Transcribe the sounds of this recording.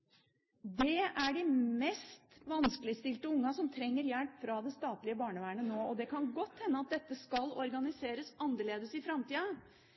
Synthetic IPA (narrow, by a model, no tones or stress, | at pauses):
d̪ɛæɖɪmɛst̪ʋɑnskəlɪst̪ɪlt̪əʊŋːɑsɔmt̪ʰɾɛŋːəɾjælpfɾɑd̪ɛst̪ɑːt̪lɪəbɑːɳəʋæːɳənoːɔd̪ɛkʰɑnɡɔt̪ːhɛnːəɑt̪̚d̪ɛt̪ːəskɑlɔɾɡɑnɪseːɾəsɑnd̪əɭeːd̪əsɪfɾɑmt̪iːɑ